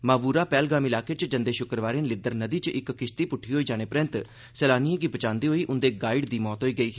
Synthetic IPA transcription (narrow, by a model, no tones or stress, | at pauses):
maːʋuːɾaːpɛːlɡaːmɪlaːkeːt͡ʃd͡ʒənd̪eːʃʊkɾʋaːɾeːnlɪd̪əɾnəd̪iːt͡ʃʔɪkːɪʃt̪iːpʊʈʰːiːɦoːiːd͡ʒaːneːpɾɪ̃nt̪ | sɛːlaːnijẽːɡiːbət͡ʃãːnd̪iːɦoːiːʔʊnd̪eːɡaːɪɖd̪iːmɔːt̪ɦoːiːɡəiː